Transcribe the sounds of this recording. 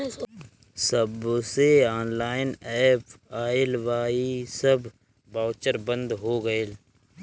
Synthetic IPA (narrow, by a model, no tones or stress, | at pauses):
səbseaːnlaːɪnɛːpaːɪlʋaːisəb | baːʊt͡ʃəɾbə̃nd̪ɦoːɡəel